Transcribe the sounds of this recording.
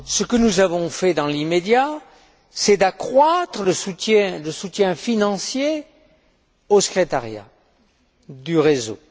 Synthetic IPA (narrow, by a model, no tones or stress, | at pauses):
səkənuzavɔ̃fɛd̪ɑ̃limed̪ja | sɛd̪akχwat̪χələsut̪jɛ̃ləsut̪jɛ̃finɑ̃sje | osə̥kχet̪aʁja̰ | d̪yʁezo̰